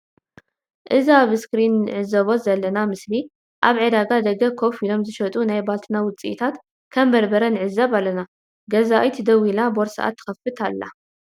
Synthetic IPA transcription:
ʔɨziaβɨskɾinːɨʕɨzɐβozɐlːɐnamɨsli | ʔaβʕed̪aɡad̪ɐɡɐkʰo̞filo̞mzɨʃɐt̪ʼunajbalt̪ʰɨnawʊt͡sʼḭʔit̪ʰat̪ | kʰɐmbɐɾbɐɾɐnɨʕɨzːɐβalːɐna | ɡɐzaʔjt̪ʰd̪ɐwilaboɾsɐ̰ʔa̰t̪ʰːɨ̥xɐfːɨt̪ʰalːa̰

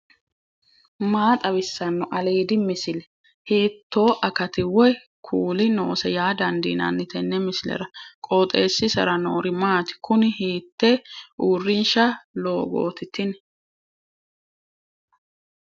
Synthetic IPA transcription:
maːt̪ʼɐbɪsːɐnːɔʔɐleːd̪ɪmɪsɪlɛ | hiːt̪ʰːo̞ːʔɐkɐt̪ɪwɔj | kʰuːlɪnoːsɛjaːd̪ɐnd̪ḭːnɐ̰nːɪt̪ɛnːɛmɪsɪlɛ̰ɾɐkʼoːt̪ʼeːsːɪsɐ̰ɾɐnoːɾɪmaːt̪ɪ̥kʊnɪhiːt̪ːɛʔuːrːɪnʃɐlo̞ːɡo̰ːt̪ɪt̪ːɪn

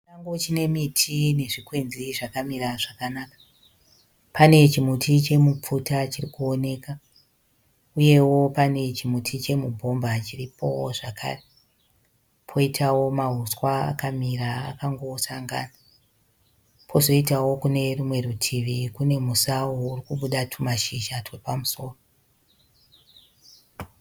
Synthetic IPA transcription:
aŋɡot͡ʃine̞mitʰine̞ʐikwe̞nziʐakamiraʐakanakḁ | pane̞t͡ʃimutʰit͡ʃe̞mup͡futat͡ʃirikuone̞ːka | uje̞wo̞pane̞t͡ʃimutʰit͡ʃe̞mubʱo̞mbat͡ʃiripʰo̞̰ʐakʰa̰ːre | pʰo̞itʰawo̞maɦuswaa̰kamiɾa̰ːkaŋɡo̞saŋɡa̰na | pʰo̞zo̞itawo̞kune̞rumwe̞rutʰiʋikune̞musaourikuɓuɗatʰumaʃiʒatwe̞pamuso̞ːro

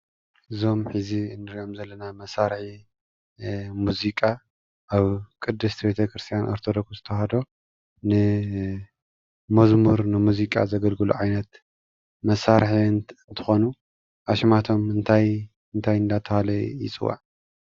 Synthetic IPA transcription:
ʔɨzo̞mħɨziɨnːɨɾiʔo̞mzɐlːɐnamɐsaɾħi | muzikʼa | ʔaβkʼɨd̪ːɨst̪ʰbe̞t̪ʰɐkɾɨst̪ʰijanʔoɾt̪ʰod̪okzɨt̪ʰɐhad̪o̞ | nɨ | mɐzmuɾnɨmuzikʼa̰zɐɡɐlɡɨluʕajnɐt̪ | mɐsaɾħiɨnt̪ʰɨ̥xo̞nu | ʔaʃmat̪ʰo̞mɨnt̪ʰaj | ɨnt̪ʰajɨnd̪at̪ʰːɐhalɐjḭt͡sʼɨwa̰

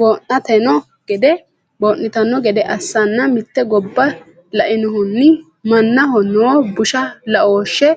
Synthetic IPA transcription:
boːʔːɐt̪ɛnɔ | ɡ̥ɛd̪ɛ | boːʔːɪt̪ɐnɔɡɛd̪ɛʔɐsːɐnːɐmɪt̪ːɛɡɔbːɐ | lɐʔɪnʊɦʊnːɪ | mɐnːɐhɔnːɔbʊʃɐlɐʔoːʃːɛ

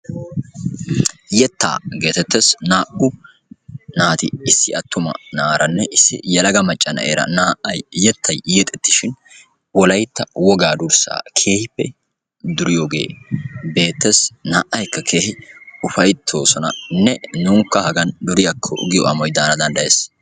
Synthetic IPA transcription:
jɛt̪ːa̰ːɡe̞ːt̪ɛt̪ːesnaːʔʊ | naːt̪ɪɪsːɪɐt̪ːʊmɐ̰naːɾɐnːɛʔɪsːɪ̰jɐlɐɡɐmɐt͡ʃʼːɐnɐ̰ʔḛːɾɐ̰naːʔɐjjɛt̪ːɐjjɛt̪ʼːɛt̪ːɪʃɪn | wɔlɐjt̪ːɐwɔɡaːd̪ʊɾsa̰ːkʰe̞ːhɪpːɛ | d̪ʊɾɪjoːɡḛːbe̞ːt̪ːesnaːʔːɐjkːɐkʰe̞ːhɪʊfɐjt̪ʰːo̞ːsɔnɐ̰nːɛnuːŋkːɐhɐɡɐnd̪ʊɾɪjɐkʰːɔ̰ɡɪjɔʔɐmɔjd̪aːnɐd̪ɐnd̪ɐjeːs

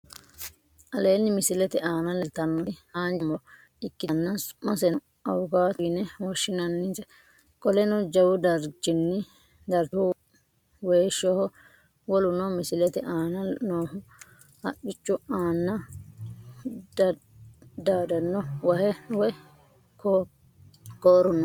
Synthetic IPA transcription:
ʔɐle̞ːnːɪmɪsɪlɛt̪ɛʔaːnɐlɛlt̪ːɐnːɔhaːnd͡ʒmɔ | ɪkːɪnːɐsmːɐsɛn | ɐwʊɡaːt̪ɪnɛwɔʃːɪnɐnːɪtɛ | kʼɔlɛnɔd͡ʒɐwʊd̪ɐɾd͡ʒɪnːɪ | d̪ɐɾt̪ʊ | weːʃːɔhɔ | wɔlʊnɔmɪsɪlɛt̪ɛʔaːnɐlnoːɦʊ | hɐ̰kːɪt͡ʃːʊaːnːɐ | d̪ɐ | d̪aːd̪ɐnːɔwɐhɛwɛ | ko | koːɾʊnːɔ

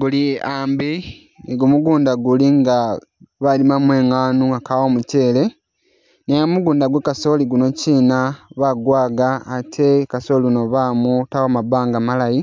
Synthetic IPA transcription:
ɡuliaːmbi | eɡumuɡuːndaɡuliŋɡa | βalimamwe̞ːŋaːnuakaβomuce̞ːle̞ | nejamuɡuːndaɡwekaso̞liɡuno̞ciːnaβaɡwaːɡaːtʰe̞kaso̞linoβaːmutawomabaːŋɡamalaji

